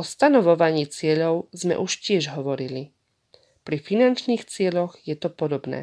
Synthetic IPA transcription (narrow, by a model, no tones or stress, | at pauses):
ɔst̪anɔʋɔʋaɲiːt͡sɪɛʎɔʊzmɛ̰ʔuʃcɪɛʒɦɔʋɔɾili | pɾifinant͡ʃniːxt͡sɪɛʎɔɣjɛt̪ɔpɔd̪ɔbnɛ̰ː